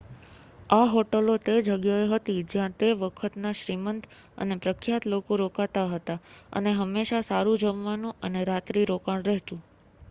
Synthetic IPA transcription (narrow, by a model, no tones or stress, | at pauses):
aɦoʈəlot̪ed͡ʒəɡjaeɦət̪id͡ʒjãt̪eʋəkʰət̪naʃɾimənt̪ʰ | ə̰nepɾəkʰːjat̪lokoɾokat̪aɦət̪aə̰neɦəmːeʃasaɾũd͡ʒəmʋanũʔəneɾat̪ɾiɾokaɽ̃ɾɛɦt̪ũ